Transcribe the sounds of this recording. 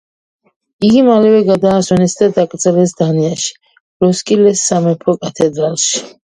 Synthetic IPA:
iɡimalɛvɛɡad̪aːswɔnɛsd̪ad̪akʼɾt̪zʼɛlɛsd̪aniaʃi̥ | ɾɔskʼilɛsːamɛpʰɔkʼat̪ʰɛd̪ɾalˠʃi̥

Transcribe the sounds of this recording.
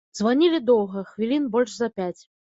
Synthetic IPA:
zvanʲilʲid̪ɔwɣɐxvʲilʲinbɔlʲʐzɐpʲat͡sʲ

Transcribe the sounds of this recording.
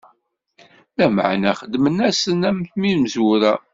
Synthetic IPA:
læmə̰ʕnæχəd̪ːmənæsənæmθminməzwuɾæ

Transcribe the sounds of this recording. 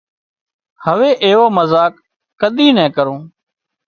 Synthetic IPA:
həʋeːʔeːʋoːməzaːkː | əɗ̪iːnɛ̃ːkəɾõː

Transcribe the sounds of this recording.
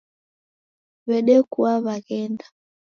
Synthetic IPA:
βɛɗɛkuaβaɣɛnda

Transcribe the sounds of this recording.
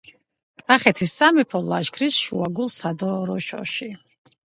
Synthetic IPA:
kʼaχɛt̪ʰisːamɛpʰɔlaʒkʰɾisʃṵaɡulˠsad̪ɔɾɔʃɔ̰ʃi

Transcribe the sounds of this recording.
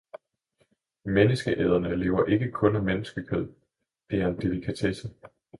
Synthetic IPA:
menəsɡ̥əʔɛð̞ˠɐnəle̝ːʊɐʔe̝ɡ̥əkʰɔ̽næmenəsɡ̥əkʰøð̰ˠ | d̥e̝æɐe̝nd̥e̝likʰæt͡sʰesə

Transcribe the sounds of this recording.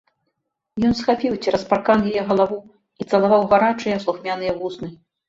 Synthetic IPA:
jɔn̪sxapʲiwt͡sʲiɾɐsparkanjʲajɛɣɐlˠavu | it̪sɐlˠavawɣaɾat͡ʂɨjɛslˠuxmʲan̪ɨjɛvusnɨ

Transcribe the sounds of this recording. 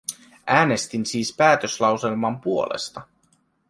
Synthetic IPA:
ʔæːne̞st̪insiːspæːt̪ø̞slɑwse̞lmɑmpuo̞lʔḛst̪ɑ

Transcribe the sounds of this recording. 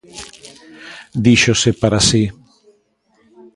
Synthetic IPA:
d̪iʃosepaɾasi

